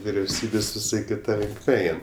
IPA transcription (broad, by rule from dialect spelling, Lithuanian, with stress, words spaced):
ʋʲɪrʲɛʊˈsʲiːbʲeːsʲ ʋʲɪˈsɐɪ kʲɪˈtɐ lʲɪŋkˈmʲɛ ˈɛɪn